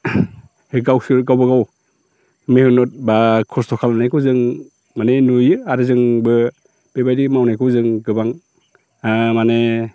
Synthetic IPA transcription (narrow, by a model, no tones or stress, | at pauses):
heɡawsɯɾɡawbɯɡaw | mehɯnɔt̚bakʰɔstʰɔkʰalanajkʰuzɯŋ | manenujɯaɾɯzɯŋbɯ | b̥ebajdimawnajkʰɯzɯŋɡɯbaŋ | mane